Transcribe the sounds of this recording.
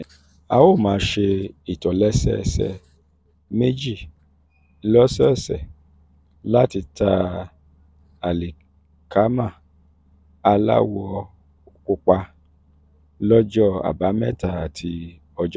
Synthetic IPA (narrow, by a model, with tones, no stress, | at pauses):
a˧wo˦˨mãː˨˦ʃe˧i˨tɔ˨lɛ˦sɛ̰˦˨sɛ̰˧˨ | me˦d͡ʒi˦˨ | lɔ˦sɛ˦˨sɛ̰˨ | la˦ti˧ta˧ | a˨li˨ | kʰa˨˦mã˦˨ | a˧la̰˦wɔ˧ | ku˧k͡pa˧ | lɔ˦d͡ʒɔ˦a̰˨ba˨˦mɛ˦˨ta˨a˨tʰi˧ | ɔ˧d͡ʒɔ˦